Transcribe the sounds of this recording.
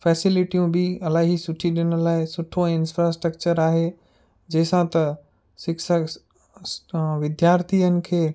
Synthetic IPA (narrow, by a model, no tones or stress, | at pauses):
fɛːsɪlɪʈijũbʱɪɐlaːɦisʊʈʰiɗɪñəlaːɪsʊʈʰõɪnfɾasʈɾəkt͡ɕəɾaːɦe | d͡ʑɐːsãt̪ɐ | sɪksə | ʋɪd̪jaːɾt̪ʰijənɪ̆kʰeː